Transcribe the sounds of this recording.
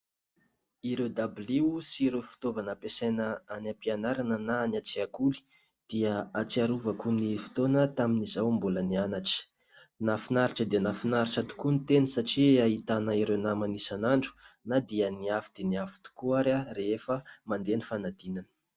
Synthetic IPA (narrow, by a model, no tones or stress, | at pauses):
iɾed̪ablisiɾewfi̥t̪ovanəpesanəanampianaɾanənaːnat͡siakuli̥ | d̪̥iəat͡siaɾuvəkunifi̥t̪onət̪aminizawmbulənianaʈ͡ʂi̥ | nafinaɾiʈ͡ʂəd̪enafinaɾiʈ͡ʂət̪u̥kunit̪enisaʈ͡ʂiaɦit̪anəiɾewnamanisanaɳɖ͡ʐu̥nad̪iəniafi̥d̪̥eniafi̥t̪u̥kuaɾarefəmand̪enifanad̪̥inanə̥